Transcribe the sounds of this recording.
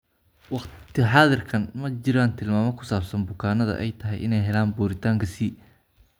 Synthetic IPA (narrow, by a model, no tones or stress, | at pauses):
wɑqt̪ʰɪħɑːðɪrkʰɐnmɐt͡ʃɪɾaːnt̪ʰɪlmaːmɐkʰʊ̥saːbsɐnbʊkʰaːnɐðɐ̰ʔɛ̰jt̪ʰɐɦɛjʔɪnɛjɦɛlaːnbuːɾɪt̪ʰaːŋkʰɐsi